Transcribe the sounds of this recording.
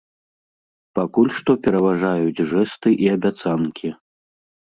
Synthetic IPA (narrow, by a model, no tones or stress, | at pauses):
pakulʲʂt̪ɔpʲɛɾɐvaʐajud͡zʲʐɛst̪ɨʔiɐbʲat̪sankʲʰi